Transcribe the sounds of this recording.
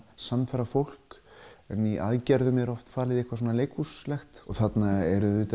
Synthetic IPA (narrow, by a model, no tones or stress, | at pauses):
sanːfɛɾafowl̥kɛniʔa̰ðcɛɾðʏmjɛɾɔft̪faːlɪðihkvas̬ɔːnaleːjkuslɛxt̪ɔɣθat̪naɛɾʏðʏːt̪